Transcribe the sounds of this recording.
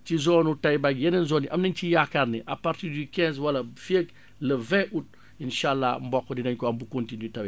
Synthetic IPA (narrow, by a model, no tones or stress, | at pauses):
t͡ʃizɔːnutajbaɡjɛnɐnzɔːnːiʔɐmnɐɲcijakaɾniʔɐpaɾtiːɾdikɛ̃zwɐlafeɡ | lɐvɛ̃ʔut̚ | inʃalːambɔkːɔdinɐɲkɔɐmbukõntinytɐwɛ